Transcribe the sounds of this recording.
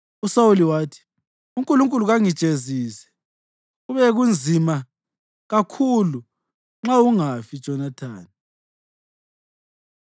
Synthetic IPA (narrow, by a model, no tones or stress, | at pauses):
usawuliwaːtʰi̥ | uŋkʼuluŋkʼuluɣaŋid̥ʒ̥ʱeziːsɛ̥ | uβɛɣund͡zʱima | ɣakʰulu | ŋ͡ǁauŋafid̥ʒ̥ʱɔnatʰa̰ːni